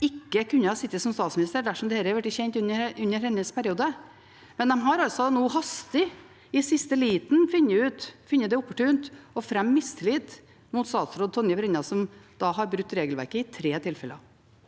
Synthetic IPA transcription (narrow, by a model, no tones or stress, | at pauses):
ɪkːəkʰʉnːəhɑsɪt̪ːəsɔmst̪ɑːt̪smɪnɪst̪əɖ̪æʂɔmd̪ɛeɛɾəʋæʈːɪçɛnt̪ʉnːəʉnːəɾhɛnːəspʰæɾɪuːd̪ə | mɛnd̪ɛmɦɑɾɑlsɔnoːɦɑst̪ɪ | ɪsɪst̪əliːt̪nfɪnːəʉːt̪fɪnːəd̪ɛʊpːəʈʉːnt̪ɔfɾɛmːɪst̪ʰɪliːt̪ | muːt̪st̪ɑːt̪sɾoːd̪̚t̪ʰɔnjəbɾɛnɑsɔmd̪̥ɑːɦɑɾbɾʉt̪ːɾeːɡəlʋæ̰ɾkəɪt̪ʰɾeːt̪ʰɪlfɛləɑ